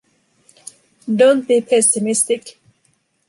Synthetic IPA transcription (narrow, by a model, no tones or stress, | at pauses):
dõnt̚b̥ipʰɛsɪmɪstɪk